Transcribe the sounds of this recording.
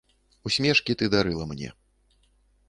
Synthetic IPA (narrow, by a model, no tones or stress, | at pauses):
usʲmʲɛʂkʲit̪ɨd̪aɾɨlˠɐmnʲɛ̰